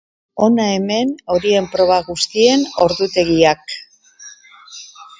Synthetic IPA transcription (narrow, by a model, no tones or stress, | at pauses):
o̞nae̞me̞no̞ɾie̞mpɾo̞βaɣust̪ie̞no̞ɾðut̪e̞ɣiak